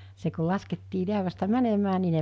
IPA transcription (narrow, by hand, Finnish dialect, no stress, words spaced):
se ko lɑsketːiː liæʋæstæ mænemæː ni ne